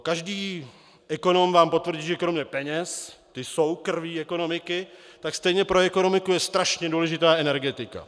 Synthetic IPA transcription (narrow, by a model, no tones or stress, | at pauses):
kaʒdiː | ʔɛko̞no̞mvaːmpo̞t̪vr̩ɟiːʒɛkɾo̞mɲɛpɛɲɛst̪ɪso̞wkr̩viːɛko̞no̞mɪkɪt̪akst̪ɛjɲɛpɾo̞ɛko̞no̞mɪkujɛst̪ɾaʃɲɛduːlɛʒɪt̪aːɛnɛɾɡɛt̪ɪka̰